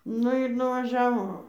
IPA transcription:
ˈnʊ ɪr nʊʋɐˈʒʲæːʋoː

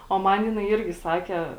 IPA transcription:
oː ˈmɐn ˈjɪnɐɪ ˈɪrʲɡʲɪ ˈsɑːkʲɛ

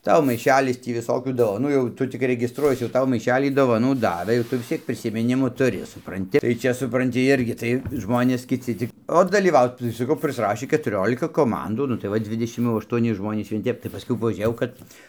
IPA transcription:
ˈtɐʊ mɐɪˈʃʲæːlʲɪs ˈtʲiː ʋʲɪˈsoːkʲuː doːʋɐˈnuː jɛʊ ˈtʊ tʲɪk rʲɛɡʲɪsˈtruɔjiɛs jɛʊ ˈtɐʊ mɐɪˈʃʲæːlʲiː doːʋɐˈnuː ˈdɑːʋɘ jɛʊ ˈtʊ ʋʲɪs ˈt͡sʲiɛk pʲrʲɪsʲɪmʲɪˈnʲɪmʊ tʊˈrʲɪ sʊprɐnʲˈtʲɪ tɐɪ ˈt͡ʃʲɛ sʊprɐnʲˈtʲɪ ˈɪrʲɡʲɪ tɐɪ ˈʒmoːnʲeːs kʲɪˈt͡sʲɪ t͡sʲɪk oː dɐlʲiːˈʋɐʊt tɐɪ sɐˈkɐʊ pʲrʲɪsˈrɑːʃʲiː kʲɛtʊˈrʲoːlʲɪkɐ koːˈmɐnduː ˈnʊ tɐɪ ˈʋɐ ˈdʲʋʲɪdʲɛʃʲɪm jɛʊ ɐʃtuɔˈnʲɪ ˈʒmoːnʲiːs ʋʲiɛn ˈtʲɛp tɐɪ pɐˈskʊɪ pɐʒʲuːˈrʲeːjɛʊ ˈkɐt

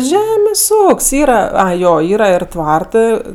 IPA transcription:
ˈʒʲæːmʲeːsʲ ˈuːkʲsʲ ˈiːrɐ ˈɐɪ ˈjoː ˈiːrɐ ɪr ˈtʋɐrtɜ

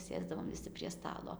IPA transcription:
ˈsʲeːzdɐʋoːm ʋʲɪˈsʲɪ pʲrʲiɛ ˈstɑːlˠoː

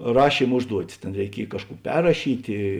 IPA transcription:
ˈrɑːʃʲiːm ˈʊʒduɔtʲɪs ˈtʲeːn rʲɛɪˈkʲiɛj ˈkɑːʃˌkuː ˈpʲɛrrɐʃʲiːtʲeː

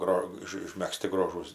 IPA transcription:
ˈɡroː ˈɪʃ ɪʃʲmʲɛkˈsʲtʲɪ ˈɡroːʒuːs

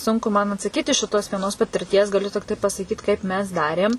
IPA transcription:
ˈsʊŋkʊ mɐn ɐtsɐˈkʲiːt ɪʃ ʃʲɪˈtoːs ʋʲiɛˈnoːs pɐtʲɪrʲˈtʲiɛs ɡɐˈlʲʊ tʲɪkˈtɐɪ pɐsɐˈkʲiːt kɐɪp mʲɛs ˈdɑːrʲeːm

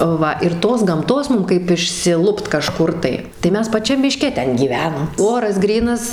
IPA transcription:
ˈʋɐ ɪr ˈtoːs ɡɐmˈtoːs ˈmʊm kɐɪp ɪʃʲsʲɪˈlˠʊpt kɐˈʃkʊr tɐɪ tɐɪ ˈmʲɛs pɐˈt͡ʃʲɛm mʲɪˈʃʲkʲɛ ˈtʲɛn ɡʲiːˈʋʲæːnɐm ˈoːrɐs ˈɡrʲiːnɐs

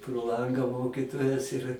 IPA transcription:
proː ˈlˠɐŋɡɐ ˈmoːkʲiːtoːjɛs ɪr

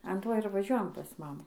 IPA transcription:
ɐn ˈtoː ɪr ʋɐˈʒʲuɔjɛm pɐs ˈmɑːmuː

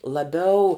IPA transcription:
lˠɐˈbʲɛʊ

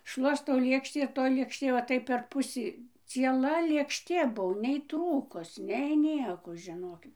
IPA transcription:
ˈʃlˠuɔstɐʊ ˈlʲeːkʃʲtʲiː ɪr toːj lʲeːkʃʲˈtʲeː ˈʋɐ ˈtɐɪp pʲɛr ˈpʊsʲiː t͡sʲiɛˈlˠɐ lʲeːkʃʲˈtʲeː ˈbuɔ nʲɛɪ ˈtruːkʊs nʲɛɪ ˈnʲiɛkoː ʒʲɪˈnoːkʲɪt

